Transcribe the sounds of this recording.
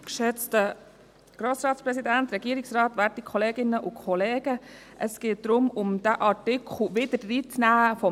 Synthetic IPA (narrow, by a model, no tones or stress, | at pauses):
kʃɛt͡stə | ɡ̥ɾoːsɾɑːtspɾɛsidænt̪ɾɛɡiːɾiksrɑːt̪ʋæɾtikʰɔleːɡɪnəʔʊkʰɔleːɡ̥ə | ʔəsɡ̥eːt̚d̥ɾʊmʊmd̥̪æʔɑtɪkʰχl̩ʋɪd̥ədriːt͡snæːəfɔ